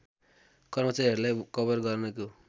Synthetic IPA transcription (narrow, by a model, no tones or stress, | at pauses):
kʌrmʌt͡saɾiɦʌɾulajkʌbʌrɡʌrnʌko